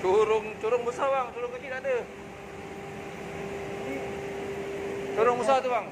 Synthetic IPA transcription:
t͡ʃuɾʊŋt͡ʃuɾʊŋbusawaŋt͡ʃuɾʊŋkut͡ʃinadə | t͡ʃoɾʊŋbusat̪uwaŋ

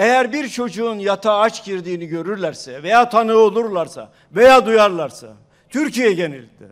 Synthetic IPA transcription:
ejæɾbiɾt͡ʃʰo̞d͡ʒuːnjat̪ʰaat͡ʃɟiɾd̪iːniɟø̞ɾyɾlʲæɾsɛvejaːt̪ʰanɯo̞lˠuɾlˠaɾsa̰ | vejaːd̪ujaɾlˠaɾsa̰ | t̪ʰyɾcijɛɟenilʲd̪̥ḭ

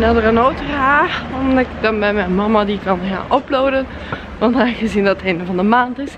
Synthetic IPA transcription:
nɛdərənowtəaːɔmdɪɡdɑnbɛjmɛjnmɑmadikɑnja̰ːʔɔploːwdən | ʋɑntaxəzindɑtətʰejndəvɑndəmaːntɪs

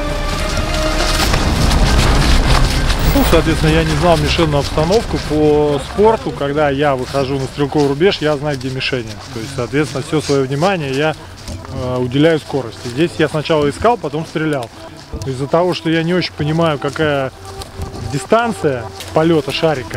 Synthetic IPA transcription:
nusɐːt̪vʲet̪ʲɪnəjanʲɪznɑlˠmʲɪʂɛnːʊɐpst̪ɐno̞fkʊpospo̞rt̪ʊkɐɡd̪ajavɨxɐʐunəst̪ɾʲɪlˠko̞vɾʊbʲe̞ʂjaznajʊɡ̚dʲemʲɪʂɛnʲɪjət̪o̞jɪstʲsɐːt̪vʲet̪sʲɪnəfsʲosvɐjovnʲɪmanʲɪjəja | əʊdʲɪlʲæjʊsko̞ɾəsʲtʲɪzʲdʲesʲjasnɐt͡ɕalˠəɪskalˠpɐt̪o̞mst̪ɾʲɪlʲalˠ | ɪzːət̪ɐvo̞ʂt̪o̞janʲɪo̞t͡ɕɪ̥nʲpənʲɪmajʊkɐkajə | dʲɪst̪ant̪sɨjəpɐlʲo̞t̪əʂaɾʲɪkə

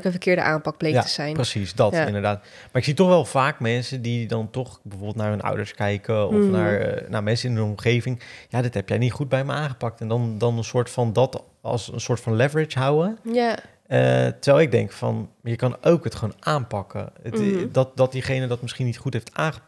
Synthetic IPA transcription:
kənfəɹkɪːɹdə̰ʔaːmpɑk̚blejjatəz̥ɛjnprəsisdɑtːɪndəɹdaːt | maɹɪksitɔχʋɛlˠv̥aːkmɛnsədidɑntɔχbəvoːɹbɪlˠtnaːɹɦɵnʔʌ̰wdəɹskɛjkəɔfnaːɹna̰ɹmɛnsəɪnɦənɔmχejvɪŋjaːdɑtɦɛpjɛjnitχud̚bɛjməaːnχəpɑk̚tɛndɑndɑnənsʊːɹtfɑndɑt | ɑ̰sənsʊːɹtfɑnlɛvəɹɪt͡ʃɦawə | ətəɹʋɛlˠɪɡ̚dɛ̰ŋkfɑ̰njəkɑnʔowkɦətχəʋownʔaːnpɑkə̰ədɑt̚dɑt̚diχejnədɑtmɪsχinitχutɦejftaːnχə

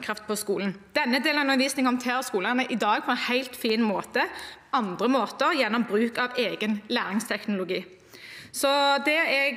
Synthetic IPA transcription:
kʰɾɑft̪̚pʰɔskuːln̩d̪̥ɛnːəd̪eːlnɑʉnʋiːsnɪŋɔmt̪ʰeːɾəskuːləʁnəʔɪd̪ɑːɡ̚pʰɔɛnhæɪlt̪fiːnmoːt̪əʔɑnd̪ʁəmoːt̪əʁjɛnːɔmbʁʉːkɑʋeːɡənlæːʁɪŋst̪ʰɛknʊlʊɡiː | sɔd̪ɛɛɡ

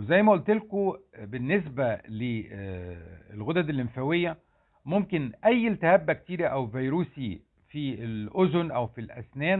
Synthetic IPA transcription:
wezæjːmæʔolt̪elkobenːes̬bæle | elɣod̪æd̪elʔenfæwejːæ | momkenʔæjːlt̪æhæbːæk̚t̪iːɾæʔæwvijɾuːsi | fielʔozonʔæwfilʔæ̰snæːn

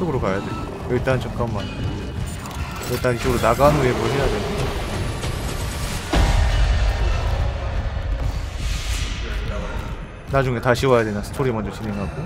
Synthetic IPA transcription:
oɡɯɾokajadwe | eɭt͈ant͡ɕʌk͈amːan | eɭt͈anit͡ɕ͈oɡɯɾonaɡanniebuɦejadwena | nad͡ʑuŋe̞taɕʰiwajadwenasʰɯ̥tʰoɾimʌnd͡ʑʌt͡ɕine̞ŋɦaɡo

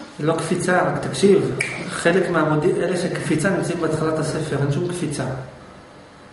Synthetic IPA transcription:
lo̞kfit͡saʁakt̪akʃivχe̞lekmeamodimʔeleʃekfit͡sanimt͡saimbeat̪χalat̪ase̞fe̞ʁenʃumkfit͡sa

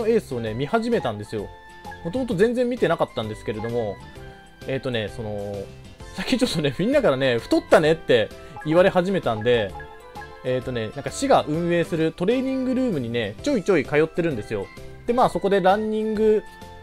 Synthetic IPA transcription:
oe̞ːsɨo̞ne̞mʲihaʑime̞t̪ãnd̪esɨjo̞̰ | mo̞t̪o̞mo̞t̪o̞zẽ̞nd͡zẽ̞mːʲit̪e̞nakat̪ːãnd̪e̞sɨ̥ke̞ɾe̞d̪o̞mo̞ | e̞ːt̪ːo̞ne̞so̞no̞ | sakʲit͡ɕo̞t̪ːone̞mʲĩnːakaɾane̞ɸɯ̥t̪o̞t̪ːane̞t̪ːe̞ | iβaɾe̞haʑime̞t̪ãnd̪e̞ | eːt̪ːo̞ne̞nãŋkaɕiɡaʔɯ̟̃ɰ̃e̞ːsɨɾɯ̟t̪o̞ɾe̞ːɲ̟ĩŋɡɯ̟ɾɯ̟ːmɯ̟ɲ̟ine̞t͡ɕo̞ːit͡ɕo̞ːikajo̞t̪ːe̞ɾɯ̟̃nd̪e̞sɨjo̞̰d̪̥e̞maːso̞ko̞d̪e̞ɾãɲ̟ːĩŋɡɯ̟

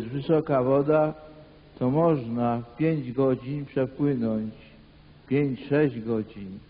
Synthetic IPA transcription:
st̪vɘsɔkavɔd̪a | t̪ɔmɔʐnapʲjeɲd͡ʑɡɔd͡ʑinpʂɛpwɘnɔɲt͡ɕ | pʲjeɲt͡ɕʂɛʑɡɔd͡ʑin

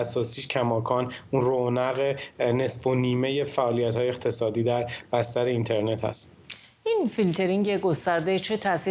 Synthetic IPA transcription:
sɒːsiːʃcʰæmɒːkʰɒːnunronæɣenesfoniːme̞je̞fæʔɒːlijæt̪hɒːjext̪ʰe̞sɒːd̪iːd̪æɾb̥æst̪æɾe̞int̪ʰe̞ɾne̞t̪ʰhæ̰st̪ | infilt̪ʰe̞ɾiŋɟeɡo̞st̪æɾd̪et͡ʃʰe̞t̪ʰæsi

